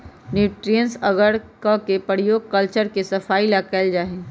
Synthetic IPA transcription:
nuːʈɾijənsɐɡəɽkãkepəɽijoːɡ̚kəlt͡ʃəɾkesɐfaːilakɛld͡ʒaːɦẽː

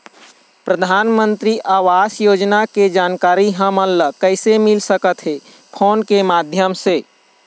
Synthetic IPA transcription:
pɾəd̪ʱaːnmə̃nt̪ɾiʔaːʋaːsjoːd͡ʒnaked͡ʒaːnkaːɾiɦəməlːəkəɪsemɪlsəkət̪ɦe | pʰoːnkemaːd̪ʱjəmseː

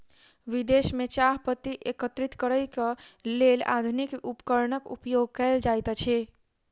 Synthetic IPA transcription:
ʋid̪esmet͡ʃaɦpət̪iʔekət̪ɾit̪kəɾəjkelela̰d̪ʱunikupkəɾnəkṵpjoɡ̚kəld͡ʒajt̪t͡ʃʰɛ

